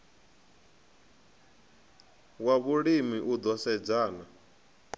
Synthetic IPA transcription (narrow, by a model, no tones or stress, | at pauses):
waβuɺimiʔud̪ɔsɛd͡zaːna